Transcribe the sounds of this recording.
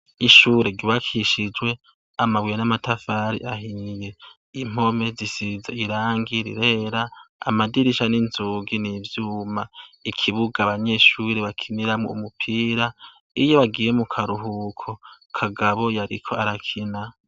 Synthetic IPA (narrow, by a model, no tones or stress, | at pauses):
iʃuɾeɡiβakʰiʃid͡ʒwe̞ | amawijenamatafaɾḭʔahije̞ | im̥o̞me̞zisizaiɾaːŋɡiɾḭɾe̞ːɾaa̰madiɾiʃaninzuɡinivjuːmaikʰiβuɡaβaɲe̞ʃuːɾeβakʰiniɾamŋoumupʰiːɾa | ijoβaɡiːjemukʰaɾuɦukʰo̞ | kʰaɡaβo̞jaɾikʰo̞aɾakʰina